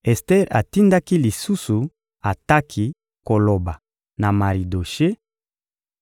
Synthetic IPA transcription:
ɛ˨stɛ˦ʁa̰˨ti˦nda˦ki˦li˨su˦su˨ | a˨ta˦kʰi˦ | ko˨lo˨ba˨ | na˨ma˨ʁi˨do˨ʃe˦

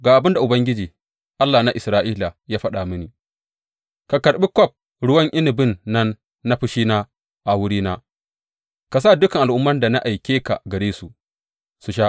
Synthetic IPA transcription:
ɡaː˨ʔa˨bɪ˦nda˨ʔʊ˨bɐ˦ŋɡʲɪ˦d͡ʒiː˨ | ʔa˦lːaː˨na˦ʔɪ˨sɾaː˦ʔiː˦la˨jaː˦ɸɐ˦ɗa˨mɪ˦niː˨ | ka˨kɐ˨ɾɓi˦kɔ˦˨p̚ | ɽʊ˦wɐ˦ŋʔɪ˦nɪ˨bɪ˦nːɐ˦nː | a˦ɸɪ˦ʃiː˦naː˦ | ʔa˨wʊ˦ɽiː˦naː˦ | ka˨s̬aː˦˨dʊ˦kɐ˨ŋʔa˨lʔʊ˦mːɐ˦nda˨na˦ʔa˨jkʲeː˦ka̰˨ɡɐ˨ɽeː˦su˨ | su˨ʃ̬aː˦ʔ

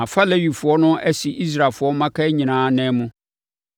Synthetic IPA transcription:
ã˨fa˦lɛ˦ɥi˨fʊ˨ɔ˦nʊ̃˦ɛ˦si˨ʔi˦s̬ɾa˨fʊ˨ɔ˦mã˦kʰa˦ɲĩ˨nãː˨˦nɛ̃˦mũ˦

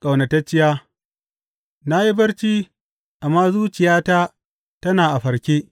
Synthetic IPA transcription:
kʼa˨wnɐ˨tɐ˦t͡ʃːɪ˦jaː˦ | na˦ji˦bɐ˦ɽt͡ʃiː˦ | ʔa˨mːaː˦zuː˦t͡ʃɪ˨jaː˦ta˦ | tɐ˦naː˨ʔa˨ɸɐ˨ɾkʲeː˦

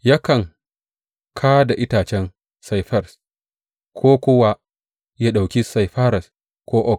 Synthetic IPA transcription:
ja˦kɐ˨ŋ | kʰaː˦da˨ʔɪ˦taː˨t͡ʃɛ˦n | sa˨jɸɐ˦˨ɾs | kʷʰoː˦kʷʊ˦wa˦ | ja˦ɗa˨wkʲi˦sa˨jɸa˦ɾɐ˨s | kʷoː˦ʔɔ˦k̚

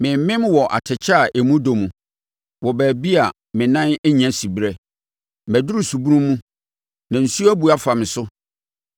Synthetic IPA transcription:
mɪ̃˨m˦mɪ̃˦mwɔ˨ʔa̰˨tʰɪ˨t͡ɕʰɛ˦a˨ʔe˨mũ˦do˨mũ˨ | wɔ˨bæː˨bi˦a˨ | mɪ̃˨nã˦nɛ˦ɲã˨˦si˨bɾɛ˦ | mæ˨dʊ˦ɾu˦su˨bu˦nũ˦mː˦ũ˦ | nã˨n̩˨su˦æ˦bu˨a˨fa˨mɪ̃˨sʊ˦

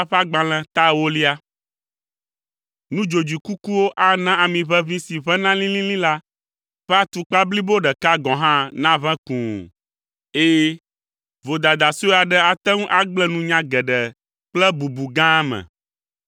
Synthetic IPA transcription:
a˦ɸa˦ɡ͡bã˨l̃ɛ̃˨t̪a˦wo˦li˦a˦ | nũ˦d͡ʒo˨d͡ʑi˨ku˦ku˦wo˦ʔa˦nã˦a˨mĩ˨βɛ˦vĩ˦si˨βɛ̃˦nã˦lĩ˦lĩ˦lĩ˦la˦ | ɸɛ˦a˦t̪u˨k͡pa˦bli˦bo˦ɖɛ˨ka˦ɡɔ̃˨ɦã˦nã˦βɛ̃˦kũ˨ | eː˦ | vo˨d̪a˨d̪a˨si˦o˦a˨ɖɛ˦a˨t̪ɛ˦ŋũ˦ʔa˦ɡ͡blɛ˦nũ˦ɲã˦ɡɛ˨ɖɛ˨ | k͡plɛ˦bu˨bu˨ɡã˦mɛ̰̃˨

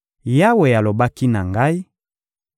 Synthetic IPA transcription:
ja˦we˨ja˨lo˨ba˦ki˦na˨ŋɡa˦i˦

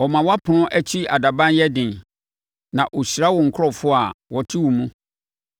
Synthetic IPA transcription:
ɔ˨mã˨wa˦pʰʊ˨nʊ̃˦ʔɛ˦t͡ɕʰi˦a˨da˨bã˦njɛ˦dɪ̃˨n | nã˨ʔo˨ɕɾa˦wɔ˨ŋ̩˨kʰʊ˦ɾɔ˦fʊ˦a˨wɔ˨tʰi˦wu˨mũ˦

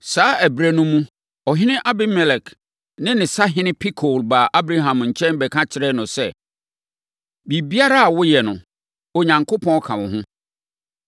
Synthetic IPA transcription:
saː˨˦æ˨bɾæ˦nʊ̃˦mũ˦ | ɔ˨ɦɪ˦nɪ̃˦ʔa˦bɪ˦mɛ˨lɛ˨k | nɪ̃˦nɪ̃˨sa˦ɦɪ̃˦nɪ̃˦pʰi˦kʰo˨lbaː˨ʔa˦bɾa˦ɦã˨mɲ̩˨t͡ɕʰɛ̃˦nbɛ˨kʰã˦t͡ɕʰɪ˦ɾɛ˦nʊ̃˨sɛ˦ | bi˨bi˦a˦ɾa˦a˨wʊ˦jɛ˨nʊ̃˨ | ɔ˨ɲã˨ŋkʰo˦pʰɔ̃˦kʰã˨wʊ̃˨ɦʊ̃˦

